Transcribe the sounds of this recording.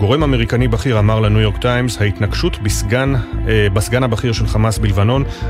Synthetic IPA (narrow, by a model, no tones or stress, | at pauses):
ɡo̞ʁe̞mame̞ʁikanibaχiʁamaʁlanujo̞ʁkt̪ajmzhait̪naɡʃutbisɡanbasɡanhabaχiʁʃe̞lχamasbilvano̞n